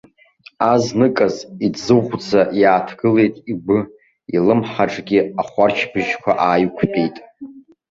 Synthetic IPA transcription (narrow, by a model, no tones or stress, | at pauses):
aznɨkʼazidzɨʁʷd͡zajaːtʰɡɨle̞jtʼibɨ | ilɨmħaʈ͡ʂʼɡʲɪaχʷart͡ʃʰbɨʒkʷʰaʔaːjkʷʰpʲʼejtʼ